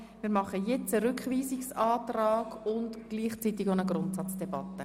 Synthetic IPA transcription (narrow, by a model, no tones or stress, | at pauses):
mɪːɾmɑχəjɛt͡səɾʏkχʋiːsiksɑːtrɑːɡʊntɡ̥liːχt͡sit̪ɪɡonəɡrʊntsɑt͡sd̥ɛb̥ɑtːə